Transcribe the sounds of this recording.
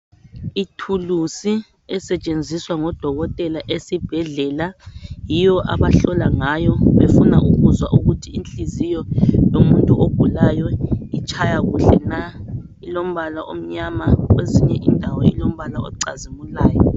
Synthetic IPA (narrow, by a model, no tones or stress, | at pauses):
itʰulusi | ɛsɛt͡ʃʼend͡zʱiswaŋɔd̥ʱɔɣɔtʼɛlaʔesib̥ʱɛɮɛːlajijɔʔa̰βaɬɔlaŋajɔβefunaʔuɣuzwaʔuɣutʰiint͡ɬʼizijɔjomuntʼuob̥ʱulajɔit͡ʃʰʼajaɣṵɬɛna | ilom̩βalaʔo̰m̩ɲamaɣweziɲɛʔindʱawɔḭlom̩βalaɔ̰ǀa̰zimulaːjɔ